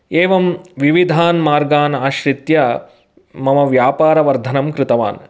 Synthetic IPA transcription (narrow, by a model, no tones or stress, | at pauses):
eːʋɐmʋiʋid̪ʱaːnmaːɾɡaːnaːʃɾit̪jɐ | mɐmɐʋjaːpaːɾɐʋɐɾd̪ʱɐnɐmkɾɪt̪ɐʋa̰ːn